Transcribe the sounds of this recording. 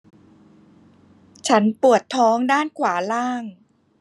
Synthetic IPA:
t͡ɕʰa˦˥npu˨˩ət̪ʰːɔː˦˥ŋdaː˥˩nkʰwaː˩˦laː˥˩ŋ

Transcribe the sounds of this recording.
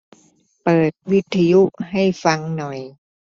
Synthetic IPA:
pɤː˨˩t̪̚wi˦˥t̪ʰːa˧ju˦˥ha˥˩jfa˧ŋnɔ˨˩j

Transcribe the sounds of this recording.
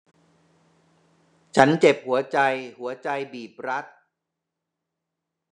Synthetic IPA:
t͡ɕʰa˦˥nt͡ɕe˨˩p̚hu˩˦ɐt͡ɕa˧jhu˩˦ɐt͡ɕa˧jbiː˨˩p̚ɾa˦˥t̪̚

